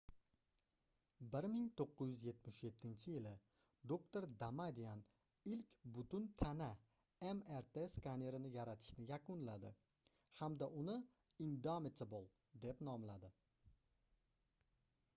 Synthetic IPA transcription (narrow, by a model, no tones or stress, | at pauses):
bɪɾmɪŋt̪ʰoqːɨzjʏzje̞t̪mɪʃje̞t̪ʰːɪnt͡ʃʰɪjɪlɪ | d̪okt̪oɾd̪amad̪ijan | ɪlkʲbʊt̪ʊnt̪ʰana | emeɾt̪ʰeskʰaneɾɪnɪjaɾat̪ʰɪ̥ʃnɪjakʊnlad̪ɪ̰ | hamd̪aʔʊnɪ | ɪnd̪amɪt̪ʰɪbolˠ | d̪e̞pnɒmlad̪ɪ